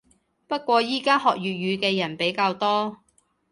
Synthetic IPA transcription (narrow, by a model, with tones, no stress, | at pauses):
pɐ˥t̚kʷɔː˧jiː˥kaː˥hɔː˨k̚jyː˨jyː˨˧kɛː˧jɐ˨˩npe˨˥jkaː˧wt̪ɔː˥